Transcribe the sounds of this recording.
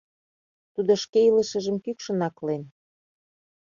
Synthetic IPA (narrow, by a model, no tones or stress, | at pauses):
t̪ud̪oʃkeilə̆ʃə̆ʒə̆mkykʃə̆nɑklen